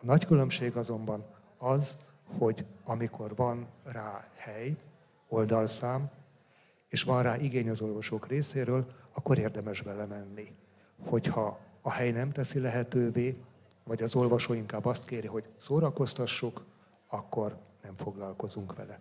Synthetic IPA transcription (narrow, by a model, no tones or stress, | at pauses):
ɒnɒckylø̞mʃeːɡɒzo̞mbɒn | ɒz | ho̞ɟɒmikʰo̞rvɒnraːhɛj | o̞ld̪ɒlsaːm | eːʃʋɒnraːʔiɡeːɲɒzo̞lvɒʃoːkreːseːɾøːlɒkːo̞ɾeːrd̪ɛmɛʒbɛlɛmɛnːi | ho̞chɒːhɛjnɛmt̪ɛsilɛɦɛt̪øːveː | vɒɟɒzo̞lvɒʃoːiŋkaːbːɒst̪keːɾiɦo̞ɟsoːɾɒko̞st̪ɒʃːuk | ɒkːo̞rnɛɱfo̞ɡlɒlko̞zuŋkʋɛ̰lɛ